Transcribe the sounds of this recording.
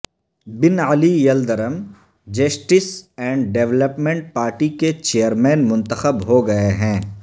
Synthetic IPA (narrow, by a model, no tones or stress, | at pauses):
bɪnɐlijɐld̪əɾəm | d͡ʒɐsʈɪsɛ̃ːɳɖɖeʋləpmɛ̃ɳʈ̚paːɾʈiket͡ʃeːjəɾmɛ̃ːnmʊ̃nt̪əxəbɦoɡɐeɦɛ̃ː